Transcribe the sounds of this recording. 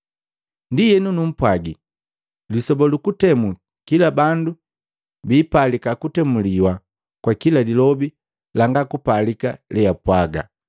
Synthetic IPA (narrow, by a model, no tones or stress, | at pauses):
ndijɛnunum̩pwaɡi | lisɔbɔlukutɛmu | kilabandu | biːpalikakutɛmuliwa | kwakilalilɔbi | laŋɡakupalika̰lɛjapwaɡa̰